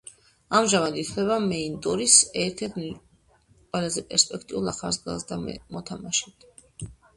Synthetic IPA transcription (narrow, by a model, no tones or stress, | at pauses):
amʒamad̪it̪ʰvɛβamɛint̪ʼuɾisɛɾt̪ʰɛɾt̪ʰni | qʼwɛlazɛpʼɛɾspʼɛkʰt̪ʼiulˠa̰χa̰ɾsɡa̰sd̪a̰mɔt̪ʰamaʃit̪ʰ